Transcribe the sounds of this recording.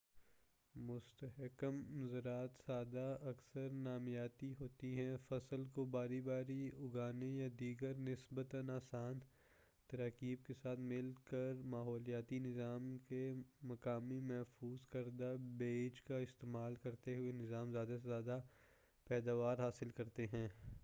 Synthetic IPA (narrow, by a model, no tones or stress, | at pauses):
mʊst̪əɦɪkəmzəɾaːt̪saːd̪aɐksəɾnaːmjaːt̪iɦoːt̪iɦɛ̃fɐsəlkobaːɾibaːɾiʊɡaːnejad̪iːɡəɾnɪsbət̪ənaːsaːn | t̪ɐɾaːkiːb̚kesaːt̪ʰmɪlkəɾmaːɦɔːlijaːt̪inɪzaːmkemɐkaːmimɛɦfuːzkɐɾd̪abeːd͡ʒkaɪst̪eːmaːlkɐɾt̪eɦʊenɪzaːmzjaːd̪asezjaːd̪a | pɛːd̪aːʋaːɾɦaːsɪlkɐɾt̪eɦɛ̃ː